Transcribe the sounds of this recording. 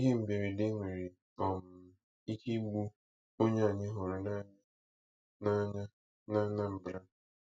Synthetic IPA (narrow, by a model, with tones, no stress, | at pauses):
i˦ɦe˦m̩˨be˨ɾi˨dɪ˦ŋʷe˨ɾi˨ | ɔ˨m̩˨ | i˦ki˦ɡ͡bu˦ | o˦ɲa˦a˨ɲɪ˦ɦʊ˨ɾʊ˨na˦ɲ˦ | na˦ɲa˦ | na˦na˦m̩˨bɾa˦˨